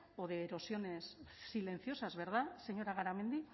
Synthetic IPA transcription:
oðeːɾo̞sio̞ne̞sːile̞nθio̞sazβe̞ɾðase̞ɲo̞ɾaɣ̞aɾame̞nd̪i

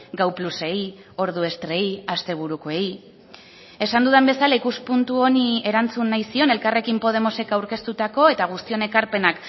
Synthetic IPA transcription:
ɡawpluse̞j | o̞ɾð̞ue̞st̪ɾe̞jast̪e̞β̞uɾuko̞e̞j | e̞sand̪uðembe̞salaikuspunt̪uo̞nie̞ɾant͡sunːajsio̞nelkare̞kimpo̞ð̞e̞mo̞se̞kawɾke̞st̪ut̪ako̞e̞t̪aɣ̞ust̪io̞ne̞kaɾpe̞nak

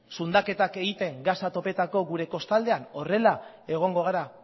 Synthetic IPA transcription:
sund̪ake̞t̪ake̞ɣit̪e̞ŋɡasat̪o̞pe̞t̪ako̞ɣuɾe̞ko̞st̪ald̪e̞ano̞re̞la | e̞ɣ̞o̞ŋɡo̞ɣ̞aɾa

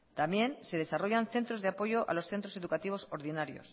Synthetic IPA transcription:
t̪amje̞nse̞ðe̞saro̞ʝanθe̞nt̪ɾo̞zðeapo̞ʝo̞ʔa̰lo̞sθe̞nt̪ɾo̞se̞ðukat̪iβ̞o̞so̞ɾðinaɾjo̞̰s

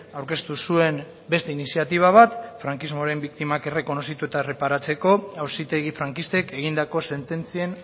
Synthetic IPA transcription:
awɾke̞st̪usue̞n | be̞st̪e̞inisiat̪iβ̞aβ̞at̪fɾaŋkizmoɾe̞mbikt̪imake̞re̞ko̞no̞sit̪ue̞t̪are̞paɾat͡se̞ko̞awsit̪e̞ɣ̞ifɾaŋkist̪e̞ke̞ɣ̞ind̪ako̞se̞nt̪e̞nt͡sie̞n

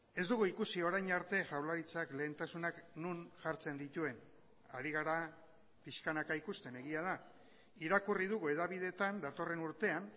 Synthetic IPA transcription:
e̞zd̪uɣuikusio̞ɾajɲaɾt̪e̞ʝawlaɾit͡sakle̞ːnt̪asunaknunʝaɾt͡se̞nd̪it̪ue̞n | aɾiɣ̞aɾa | piʃkanakaikust̪e̞ne̞ɣiað̞a | iɾakurið̞uɣue̞ðaβið̞e̞t̪and̪at̪o̞re̞nuɾt̪e̞an

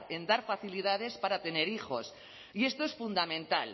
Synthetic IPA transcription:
ɾe̞nd̪aɾfaθiliðað̞e̞spaɾat̪e̞ne̞ɾixo̞̰s | ie̞st̪oe̞sfund̪amẽ̞nt̪al

